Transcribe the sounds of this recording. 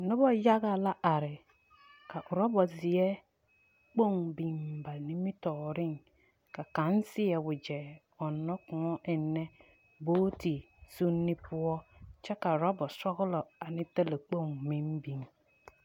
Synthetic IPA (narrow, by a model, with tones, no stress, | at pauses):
nʊ˦bɔ˦ja˦ɡa˨la˦ʔa˨ɾɪ˨ | ka˨ʔʊ˨ɾɔ˦bɔ˨zɪ˨ɛ˦ | k͡po˦ŋbi˨m̩˨ba˨nĩ˦mi˦tɔ˨ɾɪ̃˦ŋ | ka˨kã˨˦n˦sɪ˦ɛ˨wʊ˨d͡ʒɛ˨ | ɔ˨nːɔ˦kʊ̃˨ɔ˦ʔɛ˨nːɛ˦ | boː˦ti˨ | su˦nːi˦pʊ˦ɔ˦t͡ʃɛ˦ka˨ʊ˨ɾɔ˦bɔ˨sɔ˦ɣʊ˦lɔ˨a˨nɪ̃˦te˦le˨k͡po˦˨ŋ˨mĩ˦m˦bĩ˨m